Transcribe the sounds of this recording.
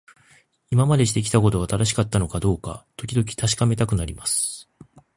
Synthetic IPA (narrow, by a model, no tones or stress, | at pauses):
imamad̪e̞ɕi̥t̪e̞kʲi̥t̪ak̬o̞t̪o̞at̪aɾaɕ̬i̥kat̪ːano̞kad̪o̞ːka̰t̪o̞kʲid̪o̞k̬ʲi̥t̪aɕi̥kame̞t̪akɯ̟naɾʲimasɨ̥